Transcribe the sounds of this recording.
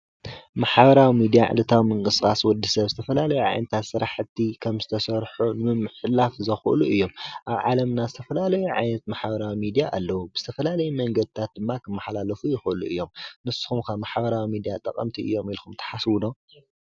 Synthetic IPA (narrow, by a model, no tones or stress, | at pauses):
maħbɐɾawimid̪ijaʕɨ̰lɨt̪ʰawimɨŋkʼɨsɨxʼaswɔd̪ːisɐβzɨt̪ʰɐfɐlalɐjuʕa̰jnɐt̪ʰat̪sɨɾaħɨt̪ʰːikʰɐmzɨt̪ʰɐsɐɾħunɨmɨmːɨħlafzɐxʔɨ̰luʔɨjːo̞mʔaβʕa̰lɐmnazɨt̪ʰɐfɐlalɐjuʕa̰jnɐt̪̚maħbɐɾawimid̪ijaʔa̰lːɐwubɨz̥ɨ̥t̪ʰɐfɐlalɐjumɐŋɡɐd̪̚t̪ʰat̪̚d̪ɨmːakʰɨmːaħlalɐfujɪxʔɨluɨjːo̞mnɨsu̥xumkʰaβmaħbɐɾawimid̪ijat̪ʼɐ̰kʼɐ̰mt̪ʰiʔɨ̰jːo̞milxumt̪ʰɐ̥ħaswud̪om